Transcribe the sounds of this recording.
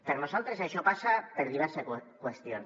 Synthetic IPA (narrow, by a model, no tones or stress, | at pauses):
peɾnosalt̪ɾesaʃopasapeɾðiβ̞ɛɾsekwest̪jon